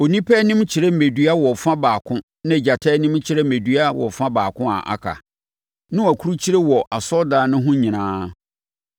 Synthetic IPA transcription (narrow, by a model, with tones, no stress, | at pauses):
o˨nĩ˦pʰɛ˦nĩ˦mt͡ɕʰɪ˨ɾɛ˦˨me˨dɥa˦wɔ˨fã˦baː˨kʰʊ̃˦ | nã˦ɛ˨d͡ʑa˨tʰɛ˦nĩ˦m˦t͡ɕʰɪ˦ɾɛ˦mẽ˨dɥa˦wɔ̰˨fã˦baː˨kʰʊ̃˦a̰˨ʔa̰˨kʰa̰˨ | nʊ̃˦wæ˨kʰu˦ɾu˦t͡ɕʰi˦ɾe˦wɔ˨ʔa˨sɔ˦daː˨˦nʊ̃˦ɦʊ̃˦ɲĩ˨nãː˦